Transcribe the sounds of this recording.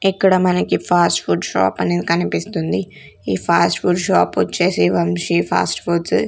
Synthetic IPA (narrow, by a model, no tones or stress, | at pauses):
ɛkːɐɽɐmɐnɐkipʰaːsʈfuːɖʃa̰ːpɐned̪ikɐnipist̪und̪i | iːpʰaːsʈfuːɖʃaːpʋɐt͡ʃːeːsiʋɐmʃipʰa̰ːsʈfuɖs